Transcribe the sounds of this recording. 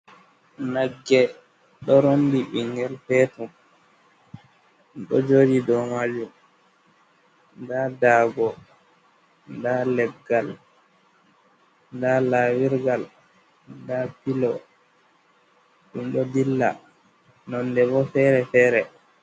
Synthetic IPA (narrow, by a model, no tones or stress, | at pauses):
naɡːɛ | ɗɔɾondiɓiŋɡɛlpɛtum | ɗɔ̰d͡ʒoːd͡ʒidɔmad͡ʒum | ndadaːɡɔ | ndalɛɡːal | ndalawiɾɡal | ndapilɔ | ɗumɗɔdilːa̰ | nɔnːdɛbɔfɛːɾɛfɛːɾɛ